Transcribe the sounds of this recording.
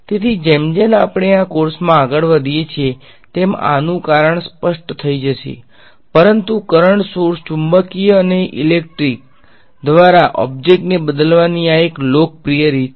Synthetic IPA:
t̪et̪ʰid͡ʒemd͡ʒenapɳ̃eakoɾsmãaɡəɭʋəd̪ʱijet͡ʃʰe | t̪ema̰nũkaɾəɳspəʃʈt̪ʰəid͡ʒəʃḛ | pəɾənt̪ukəɾəɳɖsoɾst͡ʃumbəkiəneʔilek̚ʈɾik̚ | d̪ʋaɾaʔɔ̰b̚d͡ʒek̚ʈnebəd̪əlʋaniaeklok̚pɾijəɾi

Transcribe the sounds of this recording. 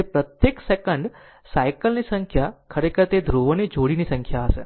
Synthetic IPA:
epɾət̪jeksekəɳɖ | sajkəlnisə̃ŋkʰjakʰəɾekʰəɾt̪ed̪ʱɾoʋənid͡ʒʱoɽinisə̃ŋkʰjaəse

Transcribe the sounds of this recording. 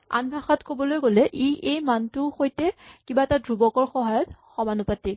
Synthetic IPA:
a̰nbʱaxɔtkobɔlojɡolɛʔiʔejmantʊxojtɛkibaɛtadɹubɔkɔɹxɔɦajɔtxɔmanupati

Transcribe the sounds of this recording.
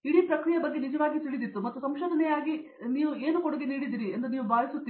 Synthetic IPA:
iɽiːpɾɐkɾijɐbɐɡːe̞nid͡ʒɐʋaːɡit̪iɭid̪it̪ːumɐt̪ːusɐmʃoːd̪ʱɐnɛjaːɡi | niːʋueːnukoɽuɡeniːɽid̪iːɾiend̪ɐniːʋubaːjisut̪ːi

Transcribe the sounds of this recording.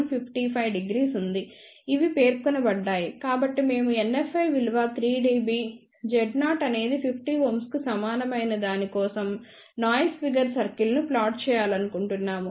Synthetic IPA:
mpʰipʰʈipʰɐjʋɖiɡɾiːsund̪i | iʋipe̞ːɾkɔnɐbɐɖːaːjikaːbɐʈːime̞ːmuenːefːɐjʋilʋaːt̪ʰɾiːɖiːbiː | d͡ʒɛɖnaːʈɐne̞ːd̪ipʰipʰʈiːʋomskusɐmaːnɐmɐjnɐd̪aːnikɔːsɐm | naːjspiɡɐɾsɐɾkilnuplaːʈ̚t͡ʃɛːjaːlɐnukuɳʈunːaːmu

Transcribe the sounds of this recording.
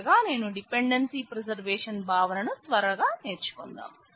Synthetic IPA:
ɡaːne̞ːnuɖipe̞ɳɖɐnsiːpɾed͡ʒɐɾʋeːʂɐnbʱaːʋɐnɐnut̪ʋɐɾɐɡaːne̞ːɾt͡ʃu̥kond̪a̰ːm

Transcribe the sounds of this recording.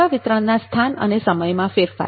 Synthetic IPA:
aʋɪt̪ɾəɳːast̪ʰanə̰nesəməjmãfeɾfa̰

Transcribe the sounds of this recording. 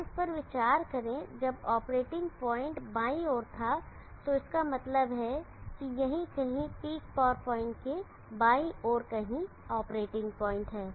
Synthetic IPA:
ɪspɐɾʋɪt͡ʃaːɾkɐɾẽd͡ʒɐbɔːpɾeːʈɪ̃ŋɡpɔːɪ̃ɳʈbaːioːɾt̪ʰa | t̪oɪskamɐt̪ləbɦɛ | kijɐɦĩkɐɦĩpiːkpɔːɾpɔːɪ̃ɳʈke | baːiʔɔːɾkɐɦĩ | ɔːpɾeːʈɪ̃ŋɡpɔːɪ̃ɳʈɦɛː

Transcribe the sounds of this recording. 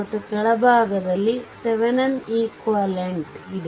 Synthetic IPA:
ɐʈːɯkɐɽɐbaːɣɐðɐlːisɛʋɐnɐniːkʋɐleɳɖɪðɯ

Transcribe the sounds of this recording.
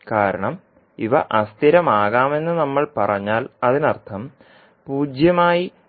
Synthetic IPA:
kaːɾɐ̰ɳɐm | iʋɐ̰ʔɐst̪ʰiɾɐmaːɣaːme̞nːɨnɐmːɐɭpɐrɐɲːaːlɐðinɐrt̪ʰɐm | puːd͡ʑjɐmaːji

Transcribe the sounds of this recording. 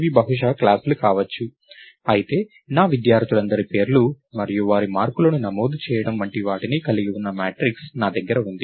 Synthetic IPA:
ʋibɐɦuʂ̬ɐklaːslukaːʋɐt͡ʃːu | ɐjit̪e̞ː | naːʋid̪jaːɾt̪ulɐnd̪ɐɾipe̞ːɾlu | mɐɾijuʋaːɾimaːɾkulɐnunɐmoːd̪ut͡ʃɛːjɐɽɐmʋɐɳʈiʋaːʈinikɐliɡiunːɐmaːʈɾiksnaːd̪ɐɡːɐɾɐund̪i

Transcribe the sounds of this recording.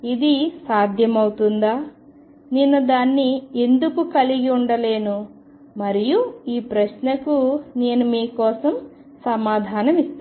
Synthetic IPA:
id̪isaːd̪ʱjɐmɐwt̪und̪aː | ninːud̪aːnːie̞nd̪ukukɐliɡiuɳɖɐle̞ːnu | mɐɾijuiːpɾɐʃnɐkune̞ːnumiːkɔːsɐm | sɐmaːd̪ʱaːnɐmist̪u

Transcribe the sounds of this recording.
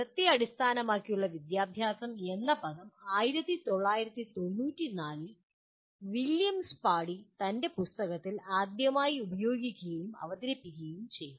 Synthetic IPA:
prɐt̪jɐɐɽist̪ʰaːnɐmaːkːijuɭːɐʋid̪jaːbʱjaːsɐme̞nːɐbɐðɐmaːjiɾɐt̪ːit̪o̞ɭːaːjiɾɐt̪ːit̪o̞nːuːtːinaːlɨ | ʋiljɐmspaːɽit̪ɐnde̞pust̪ɐɣɐt̪ːilaːd̪jɐmaːjiubɐjoːɡikʲːuɣɐjumɐ̰ʋɐd̪ɐɾɐpːiɣɐjumt͡ɕe̞jːu

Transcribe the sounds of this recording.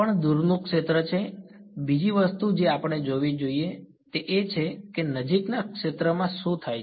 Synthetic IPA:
pəɳd̪uɾnũkʃet̪ɾət͡ʃʰebid͡ʒiʋəst̪ud͡ʒeapəɳed͡ʒoʋid͡ʒoie | t̪eʔet͡ʃʰekenəd͡ʒiknakʃet̪ɾəmãsũt̪ʰajʰ

